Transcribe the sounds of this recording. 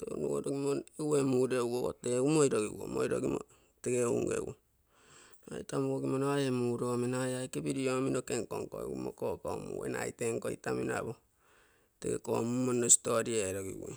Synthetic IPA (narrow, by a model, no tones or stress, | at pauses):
tonuɡoɾoɡimonewemuɾeuɡoko̰teumoiɾoɡiwo̰mojɾoɡimo̰ | teɡeṵŋɡḛwo | noa̰itamuoɡimonoajemuɾominaajajkepiɾiominokeŋkoŋko̰ḛɡumo̰kokomṵwḛnaiteŋkoitamina̰bo | teɡḛkomumonostoɾieɾoɡḭwo̰